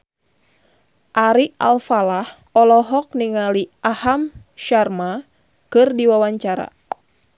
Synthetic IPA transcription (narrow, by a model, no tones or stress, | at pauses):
ʔaɾiʔa̰lfalah | ɔlɔɦɔk̚niŋaliʔaham | ʃarma | kɨrdiwawaɲt͡ʃaɾa̰